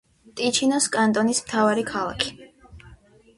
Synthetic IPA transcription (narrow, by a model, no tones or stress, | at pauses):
t̪ʼit͡ʃʰinɔskʼant̪ʼɔnismt̪ʰavaɾikʰalˠa̰kʰi̥